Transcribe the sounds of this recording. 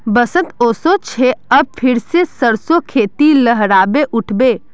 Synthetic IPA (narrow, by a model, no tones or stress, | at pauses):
bəsət̪oːsot͡ʃʰeəb̚pʰɪɾsesəɾsokʰeːt̪iləɦɾaːbeʔʊʈʰbeː